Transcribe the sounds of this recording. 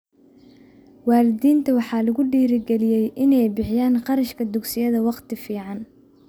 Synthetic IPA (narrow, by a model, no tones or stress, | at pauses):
wɑːlɪd̪iːnt̪ʰɐwɑħɑːlɐɣʊɖiːɾɪɡɛlɪjɛjʔɪnɛjbɪħɪjaːnqɑɾɐʃkʰɐd̪ʊɡsɪjɐðɐwɑqt̪ʰɪfiːʕɑn